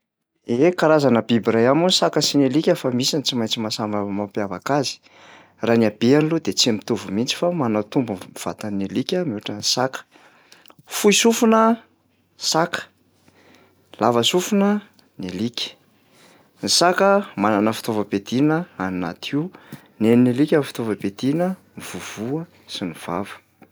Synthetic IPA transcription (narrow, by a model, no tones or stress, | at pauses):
ekaɾazanəbibrajamunisakəsinelikʲəfamisant͡simajɲt͡simasamamapjavakazi̥ | raniab̥eanilud̪et͡simit̪uvumint͡si̥famanət̪umbunv̥a̰t̪anelikʲəmuaʈ͡ʂənisakə̥ | fuisufunə | sakə̥ | lavəsufunə | nelikʲə̥ | nisakəmananəfi̥t̪ovəped̪inəanna̰t̪ʰiu | neninilikʲəfi̥t̪ovəped̪̥inə | iv̥uv̥uə | siniv̥a̰və̥